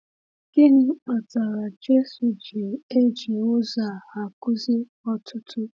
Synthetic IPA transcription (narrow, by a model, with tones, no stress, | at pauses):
ɡ̥ɪ˦ɦɪ˨ŋ͡m̩˦k͡pa˨ta˨ɾa˨d͡ʒe˦su˨d͡ʒi˨e˦d͡ʒi˨ʊ˦za˨ha˨kʊ˦zɪ˦ | ɔ˦tʰʊ˦tʰʊ˦